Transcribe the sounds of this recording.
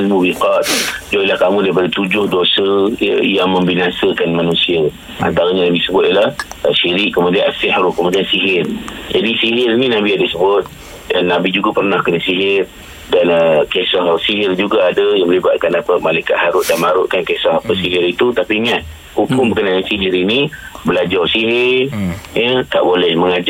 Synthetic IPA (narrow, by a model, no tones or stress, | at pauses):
almubiqat̪̚d͡ʒoilahkamũdajp̬adət̪ud͡ʒʊhdosəjaŋmə̃mbinasəkanmanũsia | a̰nt̪aɾaɲanabisəbʊt̪̚ilahəʃiɾɪʔkəmudianasɪhɾukəmudiansiɦɪrd͡ʒadisiɦɪrnĩnabiadəsəbʊt̪̚ | nabid͡ʒuɡapərnahkənasiɦɪr | danəkesɔhsiɦɪrd͡ʒuɡaːdəjaŋməlibat̪̚kanapəmalajkat̪̚haɾʊʔ̚danmaɾʊʔkankesɔɦapəsiɦɪɾit̪ut̪apiɲat̪̚ | kukʊŋbəkənajansiɦɪɾinibəlad͡ʒarsiɦɪrrjət̪a̰ʔbolɛhməŋad͡ʒa